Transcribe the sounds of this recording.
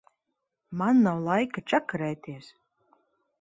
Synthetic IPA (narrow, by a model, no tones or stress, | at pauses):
manːawlˠajkat͡ʃakaɾɛːt̪ʲiɛs